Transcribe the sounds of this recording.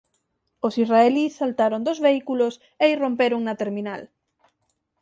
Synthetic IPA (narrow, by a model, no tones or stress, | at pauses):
osisraelisalt̪aɾond̪ozβeikulos | eirompeɾoŋnɐt̪eɾminal